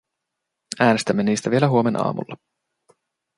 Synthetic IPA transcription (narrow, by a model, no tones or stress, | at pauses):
æːnest̪æmːeniːst̪æʋielæɦuo̞menʔɑ̰ːmṵlːɑ